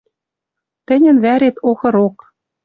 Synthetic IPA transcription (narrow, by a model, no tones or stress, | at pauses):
t̪ɘ̆nʲɘ̆nβæɾet̪oxɤ̆ɾok